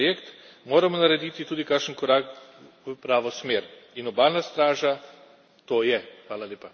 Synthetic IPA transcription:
jekt̪ | moɾamɔnaɾed̪it̪it̪uːd̪ikakʃənkoɾakʋəpɾaːʋosmeːɾinobaːlnast̪ɾaːʒa | t̪oːjɛxʋaːlalʲjeːpa

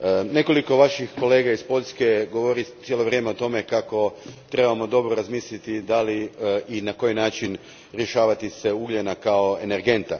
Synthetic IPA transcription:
ne̞ko̞liko̞ʋaʃixko̞le̞ːɡaispo̞ʎʲske̞ɡo̞ʋoɾit̪jelo̞ʋɾʲjeːmeot̪o̞me̞kako̞t̪ɾe̞bamo̞d̪o̞bɾoɾazmiːslʲit̪id̪aliinako̞jinaːt͡ʃin | ɾjeʃaːʋat̪ise̞uɡʎʲenakao̞ene̞ɾɡe̞nt̪a

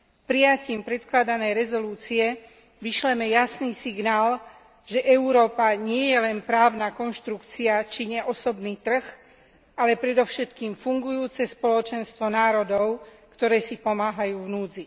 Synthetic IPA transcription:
pɾijaciːmpɾɛt̪klad̪anɛjɾɛzɔluːt͡siɛ | ʋiʃlɛmɛjasniːsiɡnaːl | ʒɛʔɛuɾɔːpaɲɪɛjɛlɛnpɾaːʊnakɔnʃt̪ɾukt͡siat͡ʃiɲɛʔɔsɔbniːt̪r̩x | ʔalɛpɾɛd̪ɔʊʃɛt̪kiːmfuŋɡujuːt͡sɛspɔlɔt͡ʃɛnst̪ʋɔnaːɾɔd̪ɔʊkt̪ɔɾɛːsipɔmaːɦajuːvnuːd͡zi

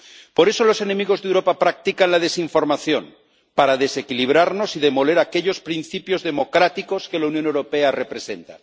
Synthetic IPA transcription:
po̞ɾe̞so̞lo̞se̞nẽ̞miɣ̞o̞zðewɾo̞papɾak̚t̪ikanlað̞e̞siɱfo̞ɾmaθjo̞n | paɾaðe̞se̞kiliβ̞ɾaɾno̞siðe̞mo̞le̞ɾake̞ʎo̞spɾin̟θipjo̞zðe̞mo̞kɾat̪iko̞ske̞launjonewɾo̞pe̞are̞pɾe̞se̞̰nt̪a̰

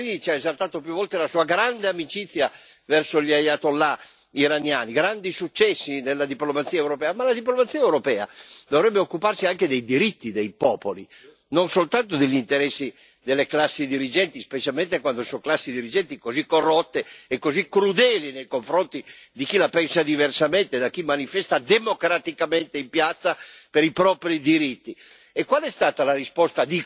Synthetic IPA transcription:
init͡ʃiaezalt̪aːt̪opjuvːɔlt̪elasuːaɡɾand̪eamit͡ʃit̪sːja | vɛrsoʎiajat̪olːa | iɾanjaːniɡɾand̪isut͡ʃːɛsːinelːad̪iplomat̪sːiːaɛewɾopɛːamalad̪iplomat̪sːiːaɛwɾopɛːa̰d̪ovɾɛbːeokːuparsiaŋked̪ejd̪iɾit̪ːid̪ejpɔːpoli | nonsolt̪ant̪od̪eʎːint̪eɾɛsːi | d̪elːeklasːid̪iɾid͡ʒɛnt̪ispet͡ʃalment̪ekwand̪osoŋklasːid̪iɾid͡ʒɛnt̪ikozikːorːot̪ːeːkːozikɾud̪ɛːlinejkoɱfɾont̪id̪ik̟ilapɛnsad̪iversament̪ed̪akːimːanifɛst̪ad̪emokɾat̪ikament̪eimpjat̪sːapeɾipɾɔpɾid̪iɾit̪ːi | ekːwalɛst̪aːt̪alarispɔst̪ad̪i

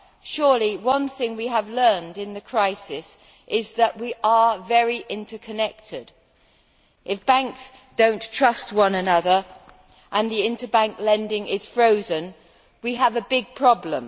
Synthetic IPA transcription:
ʃʊɹliwʌ̃nθɪ̃ŋwiəvlɜ̃˞ndɨ̃nðɨkʰɹ̥aɪsɪs | ʔɪzðəʔwiʔə˞vɛɹiʔɪ̃ntə˞kʰɨnɛk̚tʰɪd | ʔɪfb̥æ̃ŋks | d̥õʊ̃ntʰɹ̥ʌst̚wʌ̃nɨnʌðə˞ | ʔə̃nðiɪ̃ntə˞bæ̃ŋklɛ̃ndɪ̃ŋɪz̥fɹoʊzɨ̃n | wiəvɨbɪɡ̚pʰɹ̥ɑblə̰̃m

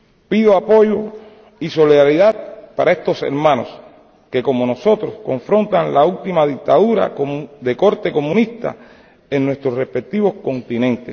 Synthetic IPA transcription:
piðoapo̞ʝo̞ | iso̞liðaɾiðat̪̚paɾae̞st̪o̞se̞̰ɾmãno̞̰s | ke̞ko̞mono̞so̞t̪ɾo̞skõ̞ɱfɾo̞nt̪aŋlault̪imaðik̚t̪aðuɾa̰d̪e̞ko̞ɾt̪e̞ko̞mũnist̪a̰ | eŋnwest̪ɾorespe̞k̚t̪iβosko̞nt̪inẽnt̪es

